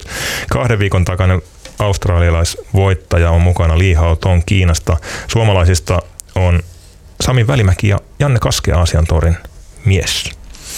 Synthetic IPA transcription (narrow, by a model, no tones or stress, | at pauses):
kɑhdeʋʋiːkont̪ɑkɑnen | ɑust̪rɑːliɑlɑjsʋo̞jt̪ːɑjɑommukɑnɑliːɦɑot̪oŋkiːnɑst̪ɑsuomɑlɑisist̪ɑon | sɑmiʋʋælimækijɑ̰jɑnːekɑskḛɑːsiɑnt̪oɾinmies